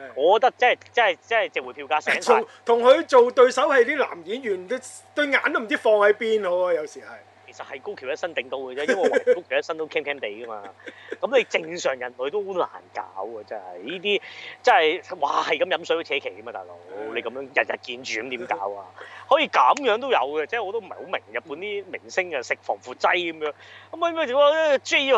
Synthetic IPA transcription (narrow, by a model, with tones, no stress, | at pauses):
ŋɔː˨˧kɔ˧˥t̪ɐ˥k̚t͡sɐ˥˨jt͡sɐ˥n˨˩jt͡sɐ˥nɐ˨jt͡sɛ˨wu˨˥pʰi˧wkaː˧˥sɛː˨˥ŋtsʊ˨˩t̪ʰʊ˨˩ŋhɵ˨˧t͡ʃo˨wt̪ɵ˧ɥsɐ˨˥whe˨˧jt̪iː˥la̰ː˨˩mjiː˨˥njyː˨˩n˨˧t̪ɵ˧ɥŋaː˨˧nt̪o˥m̩˨˩t͡si˥fɔː˧ŋhɐ˨˥jpiː˥nɔ˧jɐ˨˧wsiː˨˩hɐ˨j | kʰe˨˩jsɐ˨t̚hɐ˨jko˥wkʰi˨˩wjɐ˥tsɐ˥nt̪ɪ˨ŋt̪o˥wkə˧ɛː˥jwwɐ˥˩kko˥kʰwjɐ˥tsɐ˥nt̪o˥wkʰɛ˥mkʰɛː˥mt̪e˨jkɐ˥maː˧kɐ˨˥mle˨˧t͡sɪ˧ŋsœː˨˩ŋjɐ˨˩nlɵ˨˧ɥt̪o˥˧la̰ː˨˩nka̰ː˨˥wkɐ˧t͡sɛː˥hɐ˨˩jjiː˥t̪̬iː˥t͡sɐ˥nɐ˨˩jwaː˨˩hɐ˨jkɐ˨˥mjɐ˨˧msɔ˨˥jt͡ɕʰɛː˨˥kʰe˨˩jkɐ˥maː˧t̪aː˨jlo̰˨˥wle˨˧jkɐ˨˧mjœː˧˥ŋjɐ˨t̚jɐ̰˨t̚kiː˧nt͡ʃyː˨kɐ˨˦mt̪iː˨˥mkaː˦˨˥waː˧hɔː˨˥jiː˧kɐ˨˥mjœː˨˥ŋt̪o˥wjɐ̰˨˧wkɛ˧t͡sɛː˥˨ŋɔː˧t̪o˥m̩˨˩˨ho˨˧˥wmɪ˨˩ŋjɐ˨˩t̚pːuː˨˥nt̪iː˥mɪ˨˩ŋsɪ˥ŋɐ˧sɪ˨k̚fɔː˨˩ŋfuː˨˩t̚t͡sɐ˥jkɐ˨˦mjœː˨˥ŋkɐ˨˦mɔː˧i˨˥mː˥t͡sɔ˧˥t͡ʃi˥